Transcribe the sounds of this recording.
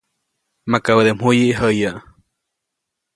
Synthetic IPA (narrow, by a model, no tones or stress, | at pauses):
makawəd̪emhujiʔɦəjaʔ